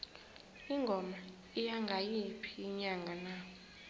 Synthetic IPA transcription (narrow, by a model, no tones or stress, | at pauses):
iŋɡʱɔma | ijaŋɡʱajipʰiːɲaŋʱana